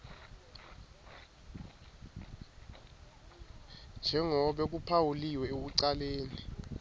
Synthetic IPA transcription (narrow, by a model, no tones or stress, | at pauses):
nd͡ʒʱɛŋɔɓɛk̬upʰawuliwɛeɓuǀaleːni